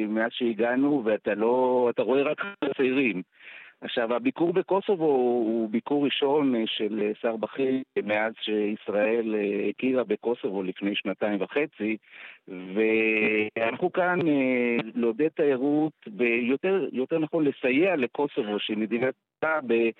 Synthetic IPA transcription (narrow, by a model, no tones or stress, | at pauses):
meazʃeiɡanuveat̪alo̞ataʁo̞e̞ʁaket͡saiʁimaχʃavabikuʁbe̞ko̞so̞vo̞ubikuʁːiʃo̞nʃe̞lsaʁbaχimeazʃeisʁae̞leekiʁabeko̞so̞vo̞lifne̞jʃnataimvaχe̞t͡si | ve̞anaχukanelod̪et̪aeʁutbejoteʁjo̞te̞ʁnaχo̞nlesajeale̞ko̞so̞vo̞ʃimed̪ina | abe